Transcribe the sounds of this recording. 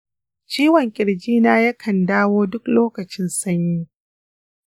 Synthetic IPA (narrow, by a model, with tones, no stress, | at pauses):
t͡ʃiː˦wɐ˨ŋkʲʼɪ˨ɽd͡ʒiː˦naː˦jɐ˦kʰɐ˨ndaː˦woː˦dʊ˦kloː˦kɐ˨t͡ʃɪ˦nsɐ˦ɲjiː˦